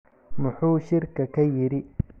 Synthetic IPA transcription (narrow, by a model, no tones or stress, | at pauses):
mʊħuːʃɪrkʰɐkʰɐjɪɾɪ